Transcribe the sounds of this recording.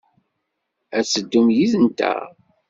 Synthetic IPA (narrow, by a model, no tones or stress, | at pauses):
æsəd̪ːumjiðənt̪æ̰